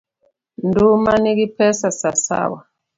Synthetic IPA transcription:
ndumanikipʰɛsasasa̰wa

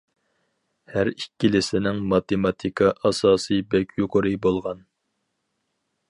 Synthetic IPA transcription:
hæɾikʲːilɪsɪnɪŋmɑt̪emɑt̪ʰikʰɑʔɑsɑːsɨjbɛkʲʰjuqʰʊɾɨbolˠʁɑn

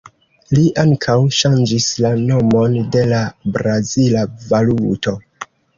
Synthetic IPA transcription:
liʔaŋkʰawʃand͡ʒislano̞mo̞nde̞labɾazilavaluto̞

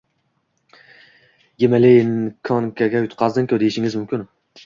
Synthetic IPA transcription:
jemalɪnkʰɒŋkʲʰaɡʲajʊt̪qʰɑzd̪ɪŋkʰʲɵd̪ejɪʃɪŋɪzmʊmkʲʰɪn

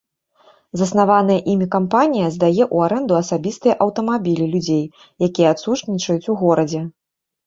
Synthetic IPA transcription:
zɐsn̪avanɐjɐʔimʲikampanʲijɐzd̪ajɛʔuaɾɛnd̪uɐsabʲist̪ɨjɐʔɐwt̪ɐmabʲilʲilʲud͡zʲej | jakʲijɛat̪sut͡ʂnʲit͡ʂɐjut͡sʲuɣɔɾɐd͡zʲɛ

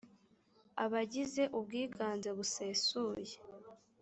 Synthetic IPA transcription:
aβaɟize̞ʔubɡiːɡʰaːnzeβuse̞ːsuːje

